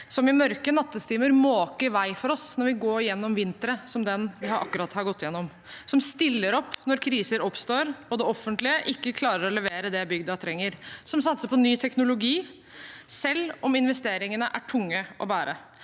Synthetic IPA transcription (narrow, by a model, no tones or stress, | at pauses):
sɔmɪmœɾkənɑt̪ːəst̪iːməɾmoːkəɾʋæɪfɔɾɔsnɔɾʋɪɡoːɾjɛnːɔmʋɪnt̪əɾəsɔmd̪ɛnʋɪhɑɾʔɑ̰kːʉɾɑt̪hɑɾɡɔt̪ːɪjɛnːɔm | sɔmst̪ɪlːəɾɔpːnɔɾkʰɾiːsəɾɔpst̪oːɾɔd̪ɛɔfənt̪lɪəʔɪkːəkʰlɑːɾəɾɔlɛʋeːɾəd̪ɛbʏɡd̪ət̪ʰɾɛŋːəɾsɔmsɑt̪səpʰɔnyːt̪ʰɛknʊlʊɡiː | sɛlːɔmɪnʋɛst̪eːɾɪŋənəʔæʈʰʊŋːəʔɔ̰bæːɾə